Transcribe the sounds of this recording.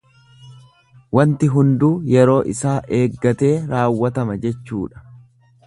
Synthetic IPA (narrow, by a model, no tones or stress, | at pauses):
wɐnt̪ɪɦʊnd̪uːjɛɾo̞ːʔɪsaːʔeːɡːɐt̪e̞ːɾaːwːɐt̪ɐmɐd͡ʒɛt͡ʃːṵːᶑɐ̥